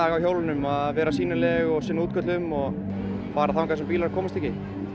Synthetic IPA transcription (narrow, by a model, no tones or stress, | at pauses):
aːɣawçowlɪnʏmaðvɛːɾasiːnalɛɣɔɣsɪnːuːt̪̚kʰœt̪lɪʏmɔɣ | faːɾaθawŋkvaɛsɛmpiːlaɾ̥kʰɔːmɪst̪ʰɛcːɪ